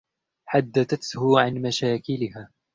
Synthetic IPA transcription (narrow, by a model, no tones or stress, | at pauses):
ħad̪ːaθat̪hʊʕanmaʃaːkɪlɪɦaː